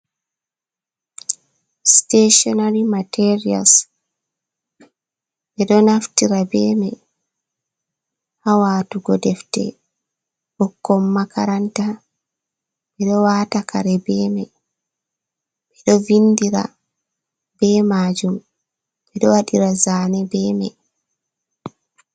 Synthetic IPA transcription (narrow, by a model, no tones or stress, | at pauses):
steʃɔnaɾimatɛɾia̰ls | ɓɛɗɔnaftiɾabɛːma | hawaːtuɡɔdɛftɛ̰ | bɔkːɔmːaka̰ɾanta | ɓɛɗɔwaːtakʰa̰ɾɛbɛmɛ | ɓɛɗɔvindiɾa̰ | bɛːmaːd͡ʒum | ɓɛɗɔwaɗiɾazaːnɛbɛːmɛ